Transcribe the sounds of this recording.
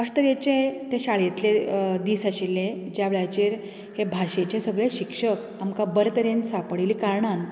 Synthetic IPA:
əst̪əɾjet͡ɕet̪eɕaɭjet̪led̪iːsaɕilːed͡ʑjaʋeɭjat͡ɕeɾ | hebʱaɕet͡ɕesəɡɭeɕikʂək | amkabəɾt̪əɾensapɽiliːkaɾɳan

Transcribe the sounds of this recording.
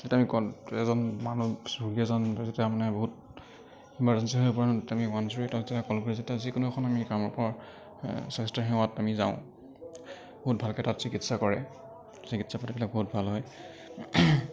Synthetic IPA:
zetɛamikɔɛzɔnmanusuɡiɛzɔnzetɛamanɛboɦut | imbaɹzɛnsiɦojpɔɹantamiwansɔɹitazɛtakɔlkɔɹizetɛazikʊnuxʰɔnamikamɔɹpɔɹ | sɛstaɹxɛ̃atamiza̰ʊ̃ | b̥oɦut̚bʱalkɛtatsikitsakɔɹɛ̰ | sikitsapatibilak̚boɦut̚bʱalɦɔj

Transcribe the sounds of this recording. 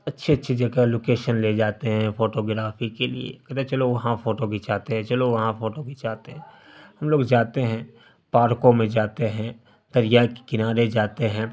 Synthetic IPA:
ɐtːʃʰeɐtːʃʰid͡ʒɐɡaloːkeːʃənled͡ʒaːt̪eɦɛ̃foːʈoːɡɾaːfikelḭḛkɐt̪ɛt͡ʃɐloʋɐɦãfoːʈoɡit͡ʃaːt̪eɦɛ̃t͡ʃɐloʋɐɦãfoːʈoɡit͡ʃaːt̪eɦɛ̃ | hɐmloːɡd͡ʒaːt̪eɦɛ̃ | paːɾkõmẽd͡ʒaːt̪eɦɛ̃ | d̪̥ɐɾjaki̥kɪnaːɾed͡ʒaːt̪eɦɛ̃ː

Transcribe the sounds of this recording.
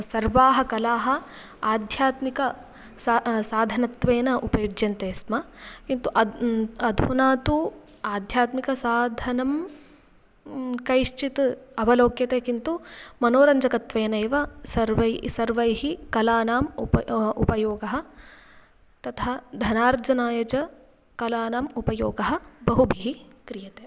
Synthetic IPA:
sɐɾʋaːɦɐkɐlaːɦɐ | aːd̪ʱjaːt̪mikɐ | ssaːd̪ʱɐnɐt̪ʋeːnɐʔupɐjud͡ʒjɐnt̪eːsmɐkint̪uʔɐɐd̪ʱunaːt̪u | aːd̪ʱjaːt̪mikɐsaːd̪ʱɐnɐm | kɐjʂt͡ʃit̪ɐʋɐloːkjɐt̪eːkint̪umɐnoːɾɐɲd͡ʒɐkɐt̪ʋeːnɐːʋɐsɐɾʋɐsɐɾʋɐjɦikɐlaːnaːm | ṵpɐjoːɡɐɦɐ̆ | t̪ɐt̪ʰad̪ʱɐnaːɾd͡ʒɐnaːjɐd͡ʒɐ | kɐlaːnaːmupɐjoːɡɐɦɐ̆bɐɦubʱiɦikɾijɐt̪eː

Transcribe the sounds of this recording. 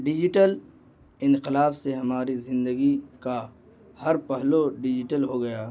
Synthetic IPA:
ɖɪd͡ʒɪʈəl | ɪ̃nqɪlaːbseɦɐmaːɾizɪ̃nd̪əɡika | hɐɾpɐɦloɖɪd͡ʒɪʈəlɦoɡɐjaː

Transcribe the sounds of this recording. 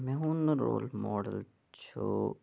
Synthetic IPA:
mɛ̃ːɦũnɾoːlmɔːɖəl | t͡ʃʰo

